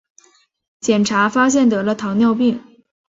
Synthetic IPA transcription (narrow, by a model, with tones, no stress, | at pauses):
t͡ɕjɛ˨˩nʈ͡ʂʰa˧˥fa˥ɕ̬jɛ˥˩nt̪ɤ˧˥lə˧t̪ʰɑ˧˥ŋnjɑ˥˧ʊp̬i˥˩ŋ